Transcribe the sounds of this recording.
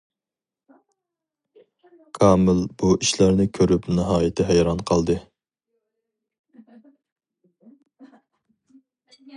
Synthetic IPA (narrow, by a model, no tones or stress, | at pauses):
kʰɑːmɪlb̥uʔiʃlæɾnɪkʲʰøɾypnɨɦɑːjɪt̪ʰɪɦɛjɾɑnqʰɑlˠd̪ɨ